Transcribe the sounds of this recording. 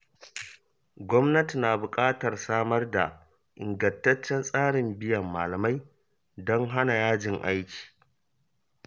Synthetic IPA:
ɡʷɔ˦mnɐ˦ti˨naː˨bʊ˨kʼaː˦tɐ˨rsaː˦mɐ˦rda̰˨ | ʔɪ̰˨ŋɡɐ˨ntɐ˦t͡ʃːɛ˦nsʼaː˦ɽɪ˨mbɪ˦jɐ˨mːaː˨lɐ˨ma˦j | dɔ˦ŋɦa˦na˨jaː˦d͡ʒɪ˨ŋʔa̰˦jkʲi̥ː˨

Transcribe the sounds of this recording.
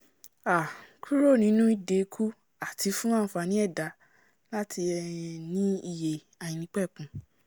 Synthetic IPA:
a˨kʰu˦ɾo˦˨nĩ˨˦nũ˦i˦˨de˨˧kʰu˦ | a˨ti˨˧fũ˦ãː˦˨˦fa˧nĩ˦ɛ˦˨da˨˦ | la˦tʰi˧ɛ˧nĩ˦i˧˨je˨ | a˨jĩ˨nĩ˧˦k͡pɛ˦˨kũ˨˦

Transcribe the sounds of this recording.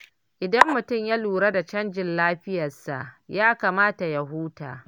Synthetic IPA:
ʔɪ˨dɐ˦mːʊ˨tʊ˦˨mja˦luː˨ɽa˦da˨t͡ʃɐ˦nd͡ʒɪ˨nlaː˦ɸɪ˦jɐ˨sa̰˨ʔjaː˦kaː˨maː˦ta˨ja˦ɦuː˦ta̰ː˨

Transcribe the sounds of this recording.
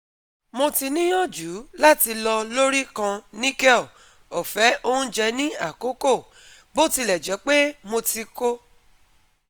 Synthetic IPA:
mo˧ti˧nĩ˦j̃ɔ̃˦˨d͡ʒu˨˦la˦ti˧lɔ˧lo˦ɾi˦kã˧nĩ˦kɛ˦˨ | o˨fɛ˨˦ʔo˦ũ˦d͡ʒɛ˧nĩ˦a˦˨ko˨˦ko˦˨ | bo˦ti˧lɛ˨d͡ʒɛ˨˦k͡pe˦mo˧ti˧ko˦

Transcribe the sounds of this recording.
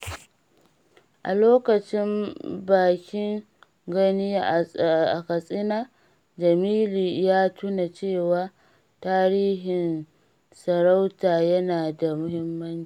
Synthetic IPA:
ʔa̰˨loː˦kɐ˨t͡ʃɪ˦mbaː˨kʲɪ˦ŋ | ɡɐ˦ni˦˨ʔa˨kɐ˨sʼɪ˦naː˦ | d͡ʒɐ˨miː˦liː˨jaː˦tʰu˦na˨t͡ʃeː˦˨waː˨˦ | taː˦ɾiː˦ɦɪ˨n | sɐ˨ɾa˦wtaː˨jɐ˦naː˨da˨mʊ˦hɪ˦mːɐ˦nt͡ʃiː˦˨

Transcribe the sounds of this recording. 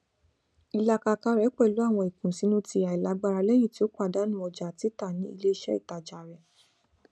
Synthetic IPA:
i˧la˧ka˧ka˧ɾɛ˨˦k͡pɛ˦˨lu˨˦a˦˨w̃ɔ̃˧i˨kũ˨si˨˦nũ˦ti˧˦a˨i˨la˨˦ɡ͡ba˧ɾa˧lɛ˦j̃ĩ˦˨ti˦o˦k͡pa˦˨da˨˦nũ˦ɔ˧d͡ʒa˨ti˨˦ta˦˨nĩ˦ḭ˧le˦i˧ʃɛ˦ḭ˦˨ta˨d͡ʒa˨ɾɛ˨

